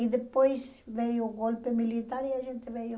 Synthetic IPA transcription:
it̪eppois | ʋeioɡolpːemilit̪ɑriɑsit̪ːeʋeio

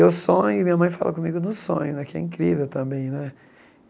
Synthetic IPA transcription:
ʊsõɲʊmĩɲɐmɐ̃j̃fa̰lʔɐ̰kõmiɡʊnʊsõ̰ɲʊnɛkɪɛ̰ĩkɾḭvewt̪ɐ̃mbẽj̃nɛ

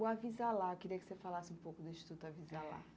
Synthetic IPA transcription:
uavizalakɪɾiɐkɪ̥sefalasɪũmpokʊd̪eʃi̥t̪ut̪ɐvizala̰

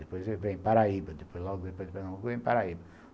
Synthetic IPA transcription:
epojzevẽj̃paɾaibɐd̪epojzlɔɡʊd̪epojzd̪epojnɐ̃vẽj̃paɾaibɐ

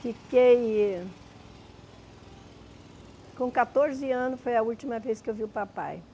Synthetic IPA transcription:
fikej | kõkat̪oɾzɪɐ̃nʊsfojɐult͡ʃimɐvejskɪewviʊpapa̰j

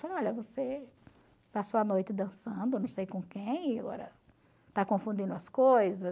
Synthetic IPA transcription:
fɔʎɐvose | pasowɐnojt̪ɪd̪ɐ̃sɐ̃d̪ʊnɐ̃w̃sejkõkẽj̃aɡɔ̰ɾɐ | t̪akõfũd̪ĩnd̪ʊɐskojzɐ

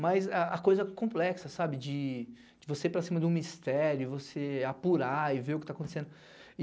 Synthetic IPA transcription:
mɐjzaɐkojzɐkõplɛksɐsabɪd͡ʒɪ | d͡ʒɪvosepɾɐsĩmɐd̪ũmist̪ɛɾʊɪvoseapuɾaɪveɾʊkɪt̪akõt̪esẽnd̪ʊ

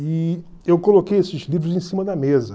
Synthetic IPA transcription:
i | ewkolokejesɪzlivɾʊzẽsĩmɐd̪ɐmezɐ

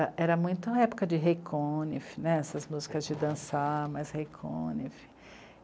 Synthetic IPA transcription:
ɐʔɛɾɐmũj̃t̪ʊ̃ɐɛpo̥kɐd͡ʒɪɦekʰõnifɪnɛɛsɐzmuzikɐzd͡ʒɪd̪ɐ̃samajzhekʰõ̰nifɪ̥

